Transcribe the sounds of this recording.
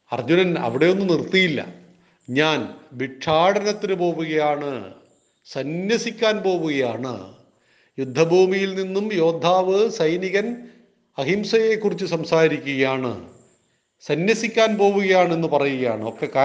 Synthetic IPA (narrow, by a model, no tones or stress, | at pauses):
ɐ̰rd͡ʑunɐnɐ̰ʋiɽe̞jo̞nːɨnirt̪ːijilːɐ̰ | ɲaːnʋiʈʰːaːɽɐnɐt̪ːinɨpo̞ːʋuɣɐjaːɳɨ | sɐnjɐsikʲːaːnpo̞ːʋuɣɐjaːɳɨ̰ | jud̪ʱːɐbʱuːmijilninːumjo̞ːd̪ʱːaːʋɨsɐjniɣɐn | ɐɦimsɐjekːurit͡ɕːɨsɐmsaːɾiɾikʲːuɣɐjaːɳɨ̰ | sɐnjɐsikʲːaːnpo̞ːʋuɣɐjaːɳe̞nːupɐrɐjuɣɐja̰ːɳɨo̞kːe̞kaː